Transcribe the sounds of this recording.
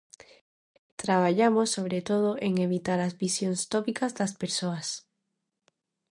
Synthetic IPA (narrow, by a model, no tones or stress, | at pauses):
t̪ɾaβaʎamosːoβ̞ɾet̪oð̞oʔeŋeβit̪aɾazβisjoŋst̪ɔpikazðɐspeɾsoɐs